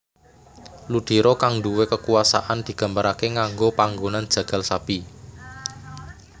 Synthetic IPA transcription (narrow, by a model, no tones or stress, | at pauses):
lud̪̥i̤ɾɔkaŋduwekəkuwasa̰ʔand̪̥i̤ɡ̥ä̤mbəɾakeŋaŋɡopaŋɡonand̥ʒ̥ä̤ɡ̥a̤lsab̥i